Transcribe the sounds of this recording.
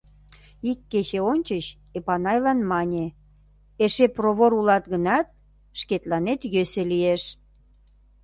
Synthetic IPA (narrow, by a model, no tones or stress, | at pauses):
ikːet͡ɕeonʲt͡ɕəɕ | epɑnɑjlɑnmɑnʲe | eʃeproβoɾulɑt̪ɣənɑt̪̚ | ʃket̪lɑnet̪jøselieʃ